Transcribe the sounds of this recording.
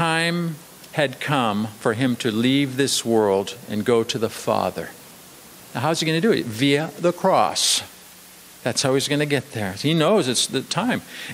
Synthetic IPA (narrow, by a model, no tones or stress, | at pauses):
tãɪ̃m | ɨd̚kʰʌ̃mfə˞ɨ̃mtʰɨlivðɪswɜ˞lˠdɨ̰̃nɡoʊɾɨðəfɑ̰ðə̰˞ | naʊɦaʊziɡʌnɨdɨɨ̰tviɨðəkʰɹ̥ɔ̰s | ðætsɔlwizɡʌnɨɡɛt̪̚ðə˞hinoʊzɨtsðɨtʰãɪ̃m